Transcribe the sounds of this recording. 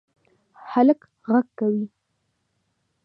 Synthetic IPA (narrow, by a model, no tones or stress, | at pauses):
halk | ɣaɡkawi